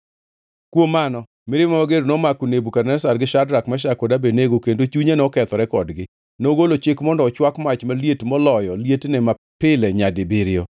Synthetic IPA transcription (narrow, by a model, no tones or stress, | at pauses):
kwomanɔ | mɪɾɪmaaɡeɾonɔmakunebukarnɛsarɡɪʃadɾakmaʃakodabeneɡokendot͡ʃuɲanɔkɛt̪ɔɾɛkɔdɡɪ | noɡolot͡ʃɪkmɔndɔːt͡ʃwakmat͡ʃmaljetmɔlɔjɔljetnɛma | pɪlɛɲadɪbɪɾɪɔ